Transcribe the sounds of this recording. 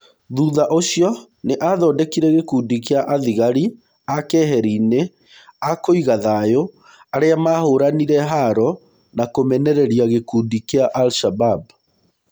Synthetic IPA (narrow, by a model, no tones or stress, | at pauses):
ðuːðaʔoɕiɔ | neʔaðɔːdɛkiɾɛɣekuːdikeaʔaðiɣaɾi | akɛɦɛɾiːne | akoiɣaðaːjo | aɾeamahoːɾaniɾɛɦaɾɔ | nakomɛnɛɾɛɾiaɣekuːdikeaʔalʃabab